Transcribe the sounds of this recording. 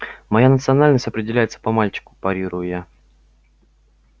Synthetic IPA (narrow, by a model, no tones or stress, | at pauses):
mɐjanət̪sɨɐnalʲnəsʲtʲɐpɾʲɪdʲɪlʲæjɪt̪sə̥pɐmalʲt͡ɕɪ̥kʊ̥pɐɾʲiɾʊjʊja